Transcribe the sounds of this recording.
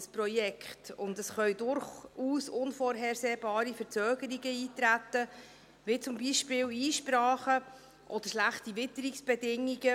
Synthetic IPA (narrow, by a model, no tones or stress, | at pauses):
sprɔjɛkχtʊndəsχœʏdʊɾχuːsʊnfoːɾɦɛɾseːbɑːɾifəɾt͡søːɡəɾiɡəiːtɾætːə | ʋɪt͡sʊmbiʃpɪːliːʃpɾɑːχə | ʔɔd̥əɾʃlæχtivɪtəɾiksb̥ɛdɪŋiɡ̥ə